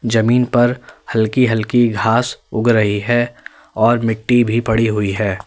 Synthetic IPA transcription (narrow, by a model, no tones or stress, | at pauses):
d͡ʒɐmiːnpɐɾhɐlkiɦɐlkiɡʱaːsʊɡɾɐɦiɦɛː | ɔːɾmɪkʈːibʱipɐɽiɦʊiɦɛː